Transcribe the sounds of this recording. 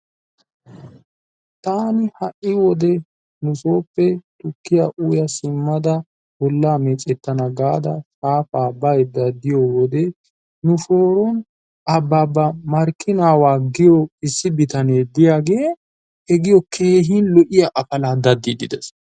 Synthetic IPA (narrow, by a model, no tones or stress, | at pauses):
t̪aːnɪhɐʔːɪwɔd̪ɛ | nʊsoːpːɛt̪ʊkːɪjaʔuːjɐsɪmːɐd̪ɐ | bɔlːaːmɛt͡sʼɛt̪ːɐnɐɡaːd̪ɐ̰sʼaːfaːbːɐjd̪ɐd̪ːɪjɔwɔd̪ɛ | nʊʃo̞ːɾɔn | ɐbːaːbːɐmɐɾkːɪnaːwaːɡɪjɔɪsːɪbɪt̪ɐneːd̪ɪjaːɡeː | ɛɡɪjɔkʰeːɦɪnlɔʔɪjɐʔɐpɐlaːd̪ɐd̪ːɪd̪ɪd̪ɛs